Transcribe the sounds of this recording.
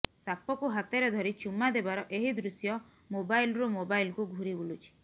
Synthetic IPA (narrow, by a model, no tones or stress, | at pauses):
sapɔkuɦat̪ɔɾed̪ʱɔɾit͡ʃumad̪ebaɾɔʔeɦid̪ɾusjɔ | mobajlɾumobajlkuɡʱuɾibulut͡ʃʰi̥